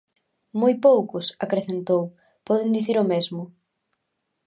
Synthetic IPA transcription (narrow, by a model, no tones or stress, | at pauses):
mojpowkʊsakɾeθent̪ow | pɔðɪnd̪iθiɾomezmʊ